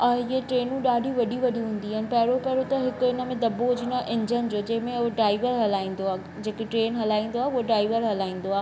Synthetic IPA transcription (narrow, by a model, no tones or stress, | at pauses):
ɐɦeʈɾeːnũɗaːɖʱiʋɐɗʱiʋɐɗʱiɦũːn̆d̪iɦɐn̆pɐɦɪɾopɐɦɪɾot̪ɐɦɪkɪnəmẽd̪ɐbod͡ʑinaʔɪ̃ɲd͡ʑənd͡ʑoːd͡ʑɐ̃ɦɪ̃mẽʊɖɾaːɪʋəɾɦɐlaːĩːn̆d̪oaː | d͡ʑeːkeʈɾeːnɦɐlaːĩːnd̪oaːɦuɦoɖɾaːɪʋəɾɦɐlaːĩːn̆d̪oaːɦ